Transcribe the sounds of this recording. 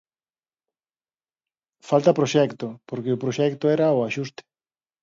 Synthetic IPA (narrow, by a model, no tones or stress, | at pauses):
falt̪ɐpɾoʃɛkt̪opoɾkeʊpɾoʃɛkt̪oɛɾaoaʃust̪ɪ̥